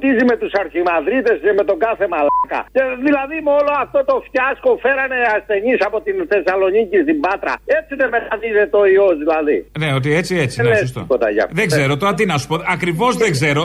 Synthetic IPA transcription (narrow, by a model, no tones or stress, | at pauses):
t̪izime̞t̪usɐɾçimɐðɾit̪e̞seme̞t̪o̞ɡɐθe̞mɐlɐkɐ̰ceðilɐðimoloɐft̪o̞t̪o̞fcɐskofe̞ɾɐne̞asθe̞ɲisɐpo̞t̪inθe̞sɐlo̞nicist̪ibɐt̪ɾɐ̰et͡siðemet̪ɐniðet̪o̞iozðilɐðineot̪̬iet͡siet͡siless̬t̪o̰ot̪ɐ̰ʝɐ̰ðeɡzzeɾot̪oɐt̪̬inɐsu̥poɐkɾivo̞zðeɡzeɾo